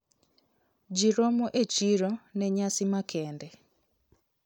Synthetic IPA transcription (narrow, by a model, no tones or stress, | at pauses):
d͡ʒiɾɔmɔʔet͡ʃiɾɔnɛɲasimakʰɛːndɛ